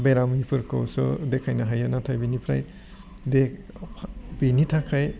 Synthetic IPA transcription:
beɾamipʰɯɾkɔwsɔ̰dekʰajnaɦajɯnatʰajbinipʰɾa̰j | dek̚ | binitʰakʰaj

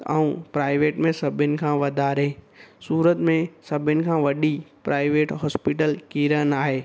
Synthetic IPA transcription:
əũpɾaːɪʋeːʈmẽsɐbʱɪnɪ̆kʰãːʋɐd̪ʱaːɾesuːɾət̪mẽsɐbʱɪnɪ̆kʰãːʋɐɗipɾaːɪʋeːʈɦɔːspiːʈəlkiːɾənaːɦeː

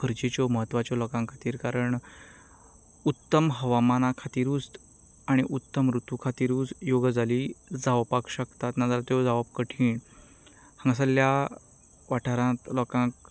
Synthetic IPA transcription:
kʰəɾd͡ʑet͡ɕɔməɦət̪ːʋat͡ɕjɔlɔkãŋkʰat̪iːɾkaɾəɳ | ut̪ːəmɦəʋamanakʰat̪iːɾuːs | aɽ̃iʔut̪ːəmɾut̪ukʰat̪iːɾuːd͡zjoɡd͡zaliːd͡zaʋpakɕəkt̪at̪nad͡zaɾt̪jɔd͡zaʋab̚kəʈʰiːɳ | hə̃ŋɡsəlja | ʋaʈʰaɾãt̪lɔkãk

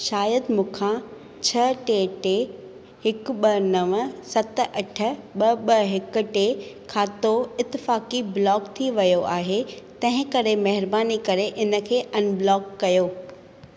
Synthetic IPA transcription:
ʃaːjəd̪mũːkʰã | t͡ɕʰɐʈeːʈe | hɪkɓɐnɐʋəsɐt̪̆ʔɐʈʰə̆ɓɐɓɐɦɪkʊ̆ʈekʰaːt̪oɪt̪ːɪfaːkiblɔːkt̪ʰiʋɐjoʔaːɦet̪ɐ̃ɦɪ̃kɐɾemɐɦɪɾbaːnikɐɾeʔɪnə̆kʰeːʔɐnblɔːkːɐjoː

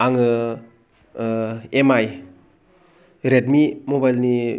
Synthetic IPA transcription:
aŋɯ | emaj | ɾetmimobajlni

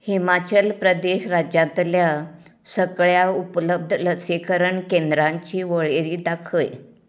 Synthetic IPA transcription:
himat͡ɕəlpɾəd̪eɕɾad͡ʑjãt̪lja | səɡɭjaupləb̚d̪ʱləsekəɾəɳkẽnd̪ɾãɲt͡ɕiːʋəɭeɾiːd̪akʰəj

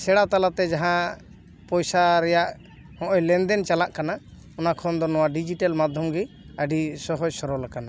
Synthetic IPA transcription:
sɛɽat̪alat̪ɛd͡ʒaɦã | pɔjsaɾɛjaʔ | hɔ̃ʔɔjlɛnd̪ɛnt͡ʃalaʔkana | ɔnakʰɔnd̪ɔnɔwaɖid͡ʒiʈalmad̪ʱjɔmɡi | əɖisɔɦɔd͡ʒsɔɾɔlakana

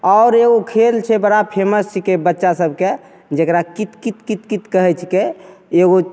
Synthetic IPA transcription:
ɔʊɾeɡokʰelt͡ʃʰɛbəɽapʰeməst͡ʃʰikebətːʃasəb̚ke | d͡ʒekɾakit̪kit̪kit̪kit̪kəɦɛt͡ʃʰkeeɡo

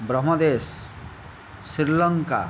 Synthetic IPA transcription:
bɾəɦməd̪es | iɾləŋka̰

